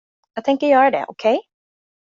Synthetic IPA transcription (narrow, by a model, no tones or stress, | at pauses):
jɑːɡt̪ʰɛŋkəjœːɾaɖɛ̰ʔɔkʰɛj